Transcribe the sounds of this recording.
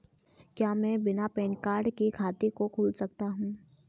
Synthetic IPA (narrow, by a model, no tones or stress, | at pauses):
kjaːmɛ̃ːbɪnapɛːnkaːɾɖkikʰaːt̪ekokʰuːlsɐk̚t̪aɦũː